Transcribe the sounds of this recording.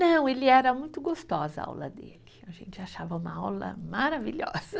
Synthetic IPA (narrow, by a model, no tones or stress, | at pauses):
nɐ̃w̃elɪɛɾɐmũj̃t̪ʊɡost̪ɔzɐa̰wlɐ̰d̪ḛlɪaʒḛ̃nt͡ʃɪaʃavɐũmɐawlɐ̰maɾaviʎɔ̰z̥ɐ